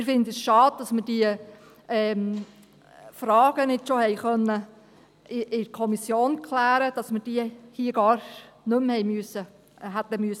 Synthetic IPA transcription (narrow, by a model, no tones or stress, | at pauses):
ɪɾfɪndəsʃɑːd̥̚d̥̪ɑsməɾd̥iə | ɛːm | fɾɑːɡ̥ənɪdʃohɛjχœnːə | ɪʔɪkʰɔmisjoːnkʰlæːɾəd̥ɑsməɾd̥iəhiːəɡɑːɾ | nɵmhɛjmyəsə | ɦæt̪ːəmyəs